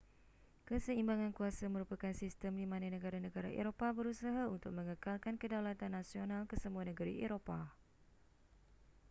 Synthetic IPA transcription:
kəsəimbaŋankuasamə̃ɾupakansist̪əmdimãnanəɡaɾanəɡaɾaʔḛɾopabəɾusaɦaunt̪ʊk̚mə̃ŋəkalkankədawlat̪anːasionalkəsəmuanəɡəɾḭʔeɾopa

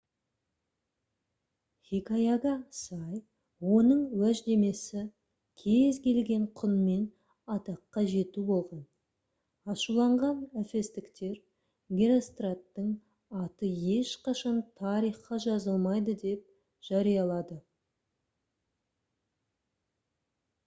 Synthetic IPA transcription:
χikajaɡɑsɑj | wo̞nəɴwæʒd̪e̞me̞sɪ | kʲʰe̞zkʲʰe̞lɡʲe̞ɴqʰʊnme̞n | ɑt̪ɑqːɑʒe̞t̪ubo̞lˠʁɑn | ɑʃulˠɑɴʁɑnæfe̞st̪ɪkt̪e̞ɾ | ɡʲeɾost̪rat̪ːəɴ | ɑt̪əje̞ʃqɑʃɑnt̪ʰɑɾijχqɑʒɑzəlˠmɑjd̪əd̪e̞p̚ | ʒ̥ɑɾijɑlˠɑd̪ə

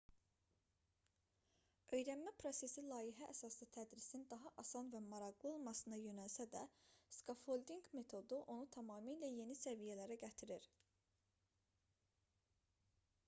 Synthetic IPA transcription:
ø̞jɾænmæpʰɾo̞se̞silˠɑːiɦæʔːsɑslˠɯt̪ʰæd̪ɾisind̪ɑɦɑʔɑsɑnvæmɑɾɑɣlˠɯo̞lˠmɑsɯnɑjø̞nælsæd̪æskofolʲd̪iŋɡme̞t̪ʰo̞d̪uʔo̞nut̪ʰɑmɑːmiːlæje̞nisævijælæɾæɟæt̪ʰiɾiɾ

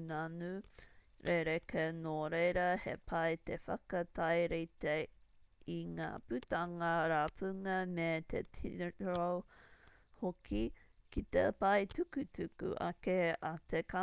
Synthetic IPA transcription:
nanʉ | ɾʔeɾekenoɾejɾɐhḛpʰɐjt̪efɐ̰kɐt̪ʰajɾit̪e | iŋa̰ːpʉt̪ɐŋɐɾaːpʰʉŋɐmet̪ʰḛt̪ʰḭɾow | hokikit̪ḛpɐjt̪ukʉt̪ʉkṵʔa̰keat̪ʰeka

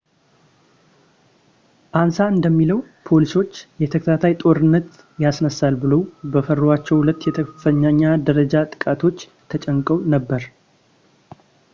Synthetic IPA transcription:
ʔansaɨnd̪əmːiləw | pʰo̞liso̞t͡ʃːjɛt̪ʰəkt̪ʰat̪ʰajt̪ʼo̞ɾɨnːət̪ | jasnəsalbɨləwbəfəroat͡ʃːɛwhulət̪ːjɛt̪ʰəfəɲːaɲːad̪əɾəd͡ʒat̪ʼɨ̥kʼat̪ʰo̞t͡ʃː | t̪ʰət͡ʃʼəŋkʼəwnəbːəɾ

